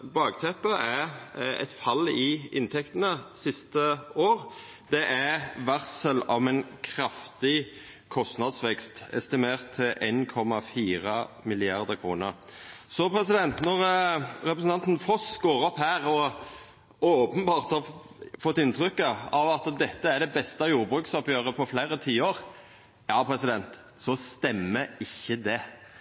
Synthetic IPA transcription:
bɑːɡt̪ʰɛpːəʔæɛ̰t̪fɑlɪɪnt̪ʰɛkt̪ənəsɪst̪əoːɾ | d̪ɛʔæʋæʁsəlɑʋɛnkʰɾɑft̪ɪ | kʰɔst̪nɑd̪sʋɛkst̪ɛ̰st̪ɪmeːʁt̪ʰːɪlʔeːnkʰɔmɑfiːɾɑmɪlɪɑʁd̪əkʰɾṵːnəɾsɔpɾɛsɪd̪ɛnt̪nɔʁɾɛpɾəsn̩t̪ɑnt̪n̩fɔsɡoːɾɔphæːɾɔ | oːpənbɑːʁt̪hɑfɔt̪ːɪnt̪ʰɾʏkːəɑʋɑt̪d̪ɛt̪ːəæɾɖ̪ɛbɛst̪ɑjuːɾbʁʉːksɑpjøːʁəpʰɔɾfleːɾət̪ʰiːəoːɾ | jɑːpʰɾɛsɪd̪ɛnt̪ | sɔst̪ɛmːəɪçːəd̪ɛ

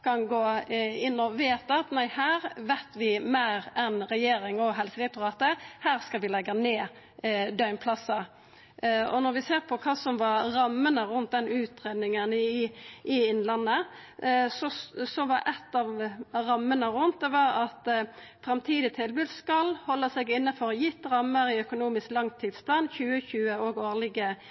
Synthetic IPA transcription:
kʰɑnɡoːɪnːɔʋeːt̪ɑt̪næɪhæːɾʋæɪt̪ʋɪmæɪɾɛnɾɛjeːɾɪŋɔɦɛlsəɾɛt̪ʊʁɑːt̪əhæːʁskɑlʋɪlɛɡːəneː | d̪œʏmpʰlɑsə | ɔ̰nɔɾʋɪseːʁpʰɔkʰɑːsɔmʋɑɾɾɑmːənəɾʉnt̪̚d̪ɛnʉːt̪ɾeːd̪nɪŋənɪʔɪɪnlɑnːə | sɔsɔʋɑɾʔɛt̪ːɑːʋɾɑmːənəʁʉnt̪̚d̪ɛʋɑɾɑt̪ | fʁɑmt̪ʰiːd̪ɪt̪ʰɪlbʉːd̪skɑlhɔlːəsɛɡɪnːəfɔʁjɪt̪ːʁɑmːəɾɪœkʊnuːmɪsklɑŋt̪ʰːiːd̪spʰlɑːnçʉːəçʉːəoɡoːʁlɪɡə

